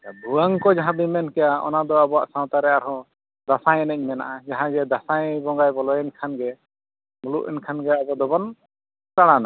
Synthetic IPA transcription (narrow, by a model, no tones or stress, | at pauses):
ab̪uaŋkɔd͡ʒaɦãbimɛnkɛjaɔ̰nad̪ɔabɔwa̰ʔsãw̃t̪aɾɛaɾɦɔ̃ | d̪asaj̃ɛnɛɲmɛna̰ʔad͡ʒaɦãɡɛd̪asajbɔŋɡajbɔlɔjɛnkʰanɡɛ | muluʔɛnkʰanɡɛabɔd̪ɔbɔn | t̪aɽana